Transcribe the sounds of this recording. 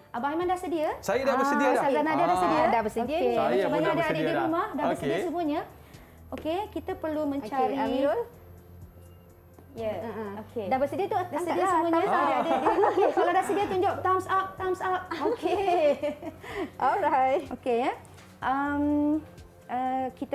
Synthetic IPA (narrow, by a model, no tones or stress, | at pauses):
ʔəbaɦamandasədiəsajədabəsəiəazanadadasədiədabəsədiəat͡ʃabaɲaadaadədiɾumahdabəsədiəsəmuəɲə | ʔokekit̪əpərlumə̃ɲt͡ʃaɾi | jaokʰedabəsədiət̪udasədiəsəmuəɲadaadəkaladasədiət̪uɲd͡ʒʊʔ̚t̪amsap̚t̪amsap̚oke | ʔɔlɹajt̚okeja | ʔəm | əkit̪